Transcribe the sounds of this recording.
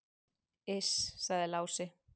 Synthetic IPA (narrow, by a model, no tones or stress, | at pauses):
ɪssaɣðɪlaːwsɪ